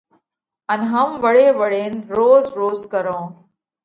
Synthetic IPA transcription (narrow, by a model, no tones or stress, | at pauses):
ɐnɦɐmʋəɽeːʋəɽeːnɾoːzɾoːzkəɾõː